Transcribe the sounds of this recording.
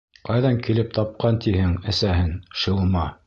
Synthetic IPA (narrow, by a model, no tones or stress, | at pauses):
qɑjðɑŋkilɘp̚t̪ɑp̚qɑnt̪ihɘŋɘ̆sæɦɘnʃɤ̆lˠmɑ